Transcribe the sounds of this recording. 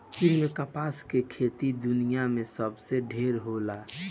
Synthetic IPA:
t͡ʃinmẽkapaːskekʰet̪id̪ʊnijamẽsəbseɖʱeːɾɦola

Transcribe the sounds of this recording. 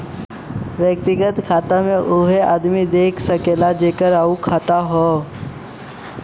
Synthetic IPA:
ʋjək̚t̪ɪɡət̪kʰaːt̪amẽʔʊɦeʔa̰ːd̪mid̪eːkʰsɐkeːlad͡ʒeːkəɾaːukʰaːt̪aɦoː

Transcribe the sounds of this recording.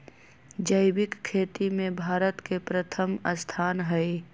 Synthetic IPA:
d͡ʒəɪbɪkkʰːeːt̪imẽbʱaːɾət̪kepɾət̪ʰəmə̰st̪ʰaːnɦɛe

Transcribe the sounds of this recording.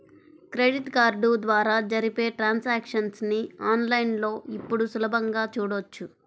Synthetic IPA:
kɾeːɽiʈkaːɾɖud̪ʋaːɾaːd͡ʒɐɾipe̞ːʈɾaːnsaːkʂɐnsniaːnlɐjnlo̞ːipːuɽusulɐbʱɐŋɡaːt͡ʃuːɽot͡ʃːu

